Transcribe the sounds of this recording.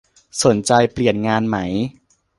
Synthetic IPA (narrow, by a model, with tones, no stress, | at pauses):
so˩˦nt͡ɕa˧jpli˨˩ənŋaː˧nma˦˥j